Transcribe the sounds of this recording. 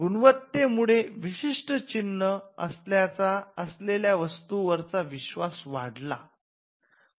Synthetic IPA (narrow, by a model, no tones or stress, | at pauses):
ɡuɳʋət̪ːemuɭeʋiɕiʂʈət͡ɕinːəə̰sljat͡saəsleljaʋəst̪uʋəɾt͡saʋiɕʋasʋaɽla̰